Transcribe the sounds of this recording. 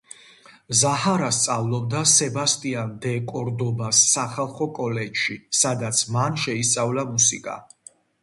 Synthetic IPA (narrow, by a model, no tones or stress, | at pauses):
zahaɾast̪sʼavlˠɔb̚d̪asɛbast̪ʼiand̪ɛkʼɔɾd̪ɔbasːaχalˠχɔkʼɔlɛd͡ʒʃisad̪at̪sʰmanʃɛist̪sʼavlamusikʼa̰